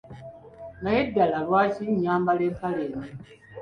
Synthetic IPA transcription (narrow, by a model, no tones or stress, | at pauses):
najedːalalwaːciɲaːmbaleːkaleːmi